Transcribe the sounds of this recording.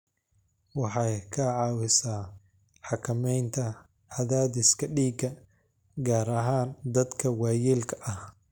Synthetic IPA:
wɑħɑjkʰɐʕɑːwɪsaː | ħɑkʰɐmɛjnt̪ʰɐ | ɐðaːd̪ɪskʰɐɖiːɡɐ | ɡaːɾɐɦaːnd̪ɐd̪kʰɐwɑːjiːlkʰɐ̥ʔɐh

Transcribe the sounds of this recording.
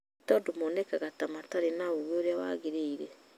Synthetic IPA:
tɔdomonɛkaɣatamataɾenaoɣwooɾeawa̰ɣeɾeiɾɛ

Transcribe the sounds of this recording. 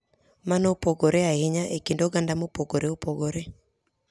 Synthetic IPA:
manopoɡoɾeahɪɲaʔekindoɡandamopoɡoɾeopoɡoɾe

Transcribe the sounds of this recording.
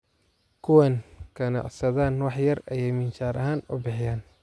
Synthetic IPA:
kʰʊwaːnkʰɐnɑ̰ʔsɐðaːnwɑħjɐrɐjɛjmɪnt͡ʃaːɾɐɦaːnʊbɪħɪjaːn

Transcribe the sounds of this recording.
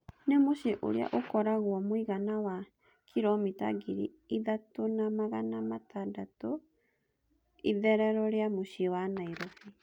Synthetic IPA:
nemoʃeʔo̰ɾḛa̰ʔokɔɾaɣwɔmoiɣanawa | kʰiɾɔmita̰ɡiɾḭiðatonamaɣanamatadatɔ | iðɛɾɛɾɔɾeamoʃewanaiɾɔfi

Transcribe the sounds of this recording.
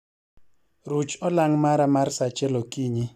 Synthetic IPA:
ɾut͡ʃɔlaŋmaɾamarsat͡ʃɛlɔkiɲi

